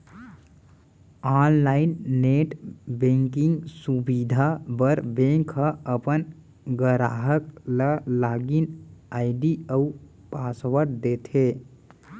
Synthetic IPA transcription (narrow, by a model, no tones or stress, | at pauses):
anlainːeʈbẽŋkiŋɡsubid̪ʱabəɾbẽŋkʰəəpən | ɡəɾaɦəkləlaɡinaɪɖiəu | paswəɾd̪et̪ʰe